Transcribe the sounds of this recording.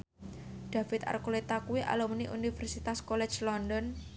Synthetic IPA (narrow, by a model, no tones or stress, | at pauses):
ɖ̪̥a̤fɪt̪a̰rkolet̪akuwiʔa̰lɔmniʔunifɛrsit̪askolɛ̥t͡ʃlɔndɔn